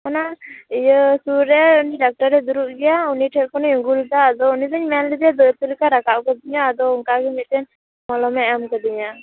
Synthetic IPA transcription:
mɔnaijəsuɾɛuniɖak̚ʈaɾɛd̪uɾuʔ̚ɡɛjauniʈʰɛʔkɔniuŋɡult̪aːd̪ɔunid̪əɲmɛnlid̪ɛd̪ət̪əlikaɾakaʔkəd̪iɲaːd̪ɔuŋkaɡimit̪ɛn | mɔlɔmɛɛmkəd̪iɲa

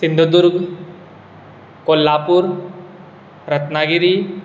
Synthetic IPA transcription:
sind̪ʱod̪uɾɡ | kolːaːpuɾ | ɾət̪naɡiɾi

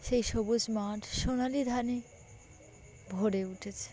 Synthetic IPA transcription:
ʃejʃobud͡ʑmaʈʰʃonalid̪ʱane | bʱoɽeuʈʰet͡ɕʰe̥

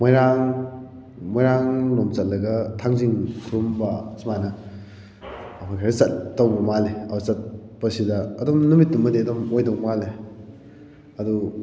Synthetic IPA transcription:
mojɾaŋ | mojɾaŋnomt͡ʃɐt̚lɐɡɐtʰaŋziŋkʰuɾumbɐsimanɐ | pʰajkʰaɾɐsɐtːɐwbɐmaleɐut͡ʃɐt̚bɐsidɐːdɔmnumitːumɐdeɐdɐmojdɔwmale | ɐdu

